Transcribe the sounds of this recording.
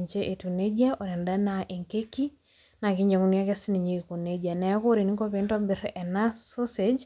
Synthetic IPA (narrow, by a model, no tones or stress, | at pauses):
ɲt͡ʃeʔetuned͡ʒaʔoɾɛndanaʔeŋkeki | nakiɲd͡ʒaŋuniakɛsiniɲekuned͡ʒanɛkoɾeniŋkɔpentɔbɪɾɛnasosed͡ʒ